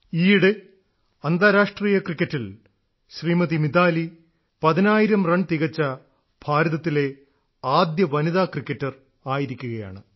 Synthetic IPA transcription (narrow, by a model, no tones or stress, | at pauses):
iːɽe | ɐnd̪aːɾaːʂʈriːjɐkrikʲːɐtːil | ɕriːmɐðimid̪aːli | pɐðinaːjiɾɐmrɐɳt̪iɣɐt͡ɕːɐ | b̥ʱaːɾɐðɐt̪ːile̞ | aːd̪jɐʋɐniðaːkrikʲːɐtːɐr | aːjiɾikʲːuɣɐja̰ːɳɨ